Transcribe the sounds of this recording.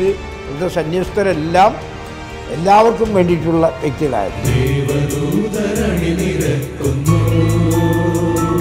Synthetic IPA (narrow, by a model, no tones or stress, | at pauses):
ðɨ | iðɐsɐnjɐst̪ɐɾelːaːm | e̞lːaːʋɐrkːumʋe̞ːɳɖiʈːuɭːɐek̪ːiɣɐɭa̰ːjɐ̰eʋɐdud̪ɐɾɐɳiniɾetːunu